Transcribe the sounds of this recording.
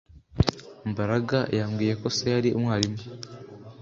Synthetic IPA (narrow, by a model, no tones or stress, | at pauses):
mbaɾaɡajaːmɡiːje̞ko̞sejaɾiumwaːlimo